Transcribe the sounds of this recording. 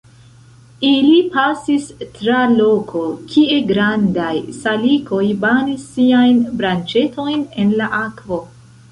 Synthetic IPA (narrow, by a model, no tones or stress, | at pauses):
ilipasistɾalokʰo̞kʰie̞ɡɾandajsaliko̞jbanisːiajnbɾant͡ʃe̞to̞jne̞nlaʔakvo̞